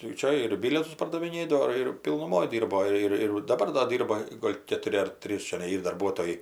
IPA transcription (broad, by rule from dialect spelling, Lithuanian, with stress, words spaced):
tɐɪ ˈt͡ʃʲɛ ɪr ˈbʲɪlʲiɛtʊs pɐrdɐʋʲɪˈnʲeːdɐʋoː ɪr pʲɪlˠnʊˈmoːj ˈdʲiːrboː ˈɪr ɪr dɐˈbɐr doː ˈdʲiːrbɐ ˈɡoːlʲ kʲɛtʊˈrʲɪ ɐr ˈtʲrʲiːs t͡ʃʲɛˈnɐɪ ˈiːr dɐrˈbuɔtoːjɛɪ